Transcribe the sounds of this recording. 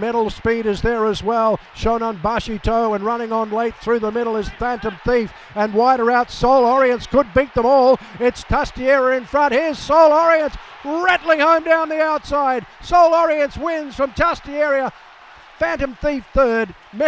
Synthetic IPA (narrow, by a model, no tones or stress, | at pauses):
mɛɾl̩ˠspiɾɨzðə˞əzwɛlˠ | ʃõʊ̃nə̃nbʌʃitʰoʊə̃nɹʌnɪ̃ŋə̃nleɪt̪̚θɹʉðəmɪɾl̩ˠɨz̥fæ̃ntə̃mθif | ɨ̃nwaɪɾə˞aʊtsoʊlˠɔɹiɨ̃ntskʰəd̚bit̪̚ðə̃mɔlˠɪtstʰʌstiɛɹə˞ɨ̃nfɹʌ̃nt̚hiɹz̥soʊlˠɔɹiɨ̃ns | ɹɛɾlˠɪ̃ŋhõʊ̃mdãʊ̃nðiaʊtsaɪd̚soʊlˠɔɹiɨ̃nswɪ̃nz̥fɹʌ̃mtʰʌstiɛɹiə | fæ̃ntɨ̃mθifθɜ˞d̚ | m